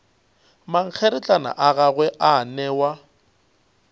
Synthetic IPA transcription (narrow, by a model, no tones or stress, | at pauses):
maŋ̩k͡xʰɛɾɪt͡ɬʼana̰ʔaɣaɣwɛʔanɛwa